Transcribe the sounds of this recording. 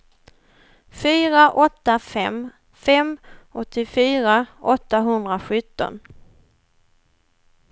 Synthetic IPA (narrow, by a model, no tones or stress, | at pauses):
fyːɾaʔɔt̪ːafɛm | fɛmɔt̪ʰːɪfyːɾaʔɔt̪ːaɦɵnd̪ɾaɧɵt̪ːɔ̰n